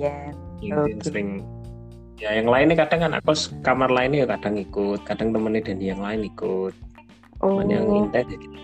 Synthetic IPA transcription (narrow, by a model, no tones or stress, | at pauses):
jainsəɾɪŋ | jajaŋlaɪnːɪkad̥aŋkana̰kɔskamarlaɪnːijukad̥a̤ŋikʊt̪̚kad̥aŋt̪əmənːɪd̥a̤dijaŋlaɪnikʊt̪̚ | omaɲa̰ŋint̪ɛd͡ʒ̥ad̪i